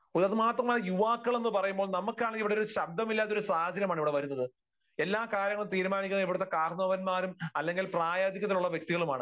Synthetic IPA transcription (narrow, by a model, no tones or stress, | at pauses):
uðɐðɨmaːt̪rɐmaːɐjuʋaːkːɐɭe̞nːɨpɐrɐjumboːɭnɐmukːaːɳiʋiɽeoɾuɕɐb̚d̪ʱɐmilːaːt̪ːo̞ɾusaːhɐd͡ʑʱɐɾjɐmaːɳiʋiɽe̞ʋɐɾunːɐðɨ | e̞lːaːkaːɾjɐŋːɐɭumt̪iːɾumaːnikʲːunːɐiʋiɽut̪ːe̞kaːɾnɐʋɐnmaːɾumɐlːe̞ŋɡilpraːjaːd̪ikʲːɐt̪̬ːiluɭːɐʋjek̚t̪iɣɐɭumaːɳɨ